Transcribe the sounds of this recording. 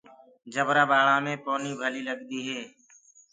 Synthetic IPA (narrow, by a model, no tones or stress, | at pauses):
d͡ʒəbɾaːbaːɭãːmẽːpoːniːbʱəliːləɡd̪iːɦɛː